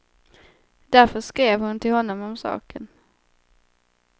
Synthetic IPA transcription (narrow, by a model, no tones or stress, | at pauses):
d̪̥æɾfœʂkɾeːvhʊnt̪ʰɪlhɔnːɔmɔmsɑ̰ːkʰən